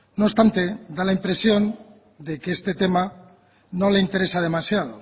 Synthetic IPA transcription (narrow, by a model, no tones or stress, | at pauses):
noβst̪ant̪ed̪alaimpɾe̞sjo̞n | d̪e̞keest̪e̞t̪e̞ma | no̞le̞int̪e̞ɾe̞sað̞e̞masjað̞o